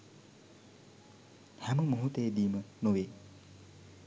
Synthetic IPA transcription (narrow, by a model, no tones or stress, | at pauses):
hamɯmuɦut̪ed̪imɯnowe